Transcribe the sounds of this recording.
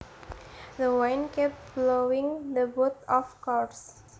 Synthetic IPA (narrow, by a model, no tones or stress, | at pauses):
d̪əwajnkɛp̚blowĩŋd̪əbut̪ɔfkɔs